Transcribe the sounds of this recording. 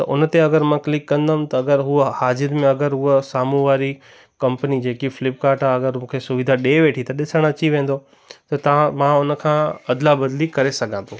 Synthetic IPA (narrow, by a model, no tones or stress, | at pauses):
t̪ɐ̰ʔʊnt̪eɐɡəɾmãklɪkːɐ̃nd̪ʱamt̪ɐɐɡəɾɦuhaːzɪɾmẽɐɡəɾɦuɦəsaːmũʋaːɾi | kɐ̃mpənid͡ʑeːkifɪlɪpkaːɾʈaɐɡəɾmũːkʰesʊʋɪd̪ʱaɗeːʋeːʈʰit̪ɐɗɪsəɽ̃ɐt͡ɕiʋẽːn̆d̪o | t̪ɐt̪ãmãʊnkʰãːɐd̪labɐd̪likɐɾesɐɡʱãnd̪õ